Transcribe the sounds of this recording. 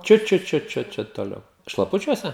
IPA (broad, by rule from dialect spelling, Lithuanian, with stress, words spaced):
ˈt͡ʃʲʊt ˈt͡ʃʲʊt ˈt͡ʃʲʊt t͡ʃʲʊt toːˈlʲɛʊ ʃlˠɐˈpʊt͡ʃʲuɔsʲɛ